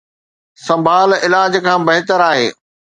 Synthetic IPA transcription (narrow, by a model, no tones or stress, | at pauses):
sɐ̃mbʱaːlɪlaːd͡ʑkʰãːbɐɦɪt̪əɾaːɦḛː